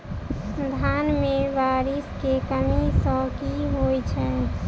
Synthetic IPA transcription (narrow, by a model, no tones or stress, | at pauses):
d̪ʱanmeʋaɾiskekəmisə̃kiɦojt͡ʃʰɛ